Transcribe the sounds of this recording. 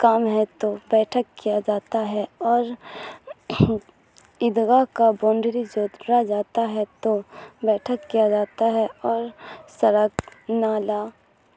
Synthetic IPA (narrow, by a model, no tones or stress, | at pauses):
kaːmɦɛt̪obɛːʈʰəkkijad͡ʒaːt̪aɦɛɔːɾ | ɪd̪ɡakabɔ̃ːɳɖɾid͡ʒoːd̪ɾad͡ʒaːt̪aɦɛt̪obɛːʈʰəkːijad͡ʒaːt̪aɦɛɔːɾsəɾəknaːlaː